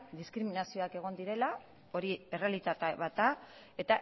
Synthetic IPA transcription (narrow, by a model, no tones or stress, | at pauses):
d̪iskɾiminasio̞ake̞ɣ̞o̞nd̪iɾe̞la | o̞ɾie̞re̞alit̪at̪aβat̪a | e̞t̪a